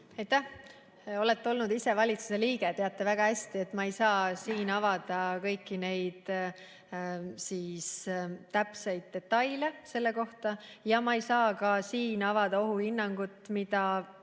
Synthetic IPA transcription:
ɑjt̪ːæ | o̞le̞t̪ːeo̞lnud̪ise̞vɑlʲit̪su̥se̞liːɡe̞t̪e̞ɑt̪ːe̞væɡ̥ɑhæsʲt̪ie̞t̪ːˑmɑejsɑːsiːnɑvɑd̪̥ɑkɤjkːˑine̞jd̪̥ | siːst̪æpsejd̪̥̚ːe̞t̪ːɑjlese̞lːe̞ko̞ht̪ɑjɑmɑejsɑːkɑsiːnɑvɑd̪̥ɑo̞ɦuhinːɑŋɡ̥ut̪ˑmid̪̥ɑ

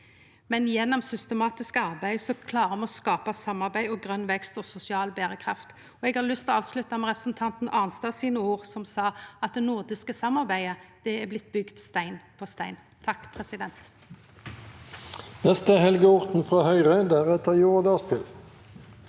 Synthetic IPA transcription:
mɛnjɛnːɔmsʏst̪əmɑːt̪ɪskəɑʁbæɪsɔkʰlɑːʁəmɑɔskɑːpɑsɑmːɑʁbæɪɔɡʁœnʋɛkst̪ɔːsʊsɪɑːlbeːʁəkʰʁɑft̪ | ɔɛɡhɑlʏst̪oɑːʋslʉt̪ɑmɛʁɛpʁəsn̩t̪ʰɑnt̪n̩ʔɑːʁnst̪ɑsiːnəuːʁsɔmsɑːɑt̪̚d̪ɛnuʁd̪ɪskəsɑmːɑʁbæɪəd̪̥ɛæʁblɪt̪̚ːbʏɡt̪st̪æɪnpʰost̪æɪn | t̪ʰɑkːpʰʁɛsɪd̪ɛnt̪ | nɛst̪əhɛlɡəʊʁt̪n̩fʁɑːhœʏʁəd̪æːʁɛt̪əʁjuːʁd̪ɑspʰɪl

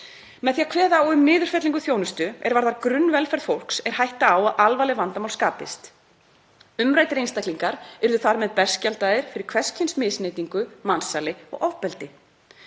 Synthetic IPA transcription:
mɛðθiakʰvɛːðaɔɣʏmnɪːðʏɾ̥fɛt̪liŋkʏθjownʏst̪ʏɛ̰ɾvaɾðaɾkɾʏnːvɛlfɛɾðfowl̥ksɛɾ̥hajht̪aawaðʔalvaːlɪvant̪amawlskaːpɪ̰st̪ | ʏmɾajt̪ɾejnst̪ahkliŋkaɾɛɾðʏθaɾmɛðpɛ̥scalt̪aðɪɾ̥fɪɾɪɾ̥kʰv̥ɛscʰɪnsmɪːsnejt̪iŋkʏmansaːlɪɔ̰ɣɔvpɛlt̪ɪ

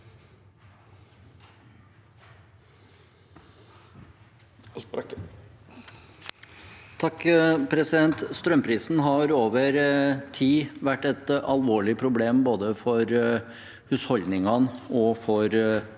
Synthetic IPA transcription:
t̪ʰɑkpʰɾɛsɪd̪ɛnt̪st̪ɾœmpʰɾiːsn̩ɦɑɾoːʋəɾt̪ʰiːʋæʈːɛt̪ɑlʋoːɭɪpʰɾʊbleːmboːd̪əfɔɾ | hʉːshɔld̪nɪŋɑnɔfɔɾ

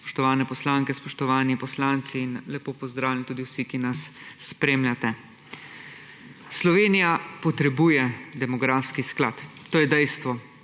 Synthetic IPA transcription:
pɔ̥ʃt̪ɔʋaːnɛpɔslaːŋkɛspɔʃt̪ɔʋaːnipɔslaːnt̪siːnlɛpoːpɔzd̪ɾaːwljant̪uːd̪iwsikinasːpɾeːmljat̪ɛ | slɔʋeːnijapɔt̪ɾɛbuːjɛd̪ɛmɔɡɾaːfskisklaːt̪t̪ːoːjɛd̪ɛjst̪ʋɔ

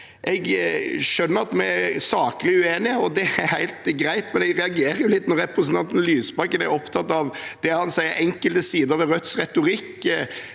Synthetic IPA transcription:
ʔɛɡʃœnːəɾɑt̪mɛæsɑːkəlɪʉeːnɪɔd̪ɛæɾhæɪlt̪ɡɾæɪt̪mɛnɛɡɾɛɑɡeːɾəjʊlɪt̪ːnɔɾɛpɾəsnt̪ɑnt̪n̩lyːsbɑkːənæ̰ɾɔpt̪ʰɑt̪ːɑʋd̪̥ɛhɑnsæɪəɾʔɛŋkəlt̪əsiːd̪əɾʋɛɾœt̪sɾɛt̪ʊɾɪkː

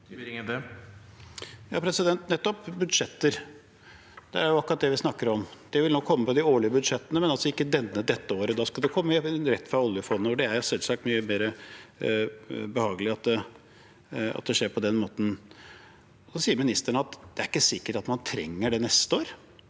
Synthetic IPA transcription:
ŋːɛ | jɑ̰ːpʰɾɛsɪd̪ɛnt̪nɛt̪ːɔpbʉd̪ʂɛt̪ːəɾ | d̪̥ɛæɾjʊɑkʊɾɑt̪̚d̪ɛʋɪsnɑkːəɾɔmd̪̥ɛʋɪlnɔkʰːɔmːəpʰɔd̪ɪoːɭɪəbʉd̪ʂɛt̪ːənəmɛnɑlsɔɪkːəd̪ɛnːəd̪ɛt̪ːəoːɾəd̪ɑskɑld̪ɛkʰɔmːəɾɛt̪ːfɾɑɔljəfɔnn̩əɔɖɛæɾjʊsɛlsɑk̚t̪myːəmeːɾə | bəhɑːɡəlɪɑt̪̚d̪ɛ | ɑ̰t̪̚d̪ɛʂeːɾpʰɔd̪ɛnmoːt̪n | sɔsiːəɾmɪnɪst̪əɳəɑt̪d̪̥ɛæɾɪkːəsɪkːəʈɑt̪mɑnt̪ʰɾɛ̰ŋːəɖɛnɛst̪əoːɾ

